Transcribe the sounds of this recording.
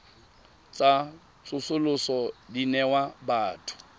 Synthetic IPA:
t͡sʼa | t͡sʊsʊlʊsɔdinɛwabaːtʰʊ̥

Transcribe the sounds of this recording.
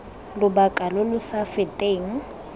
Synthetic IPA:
lʊbakʼalʊlʊsafɪtʼeːŋ̩

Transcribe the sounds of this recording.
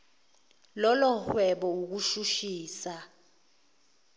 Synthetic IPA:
lɔlɔhwɛɓɔuk̬uʃuʃiːsa

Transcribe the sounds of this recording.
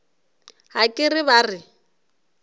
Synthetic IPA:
ɦakʼɪrɪβaːrɪ

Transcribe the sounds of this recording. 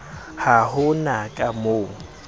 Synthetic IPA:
hahʊnakʼamoːŋ̩

